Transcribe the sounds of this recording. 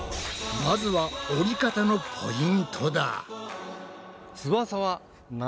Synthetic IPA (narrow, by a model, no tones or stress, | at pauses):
mazɨβaoɾʲikat̪ano̞pʰo̞̰ĩnt̪ʰo̞d̪a̰ | t͡sɨβasaβa | n